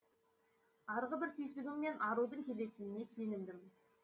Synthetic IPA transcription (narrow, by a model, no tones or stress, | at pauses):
ɑɾʁəbɪɾt̪ʰʏjsɪɡʲɪmːe̞nʔɑɾud̪əŋkʲʰe̞le̞k̪ʲɪnɪne̞se̞nɪmd̪ɪm